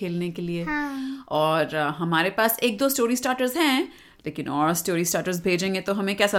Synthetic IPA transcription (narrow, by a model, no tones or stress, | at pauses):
eːlnekelieɔːɾɦɐmaːɾepaːseːk̚d̪oːsʈoːɾisʈaːɾʈəɾzɦɛ̃ | leːkɪnɔːɾsʈoːɾisʈaːʈəɾzbʱeːd͡ʒẽːŋɡet̪oɦɐmẽkɛːsa